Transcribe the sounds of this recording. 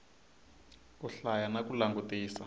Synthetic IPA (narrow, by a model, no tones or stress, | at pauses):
kuɬajanakulaŋɡutiːsa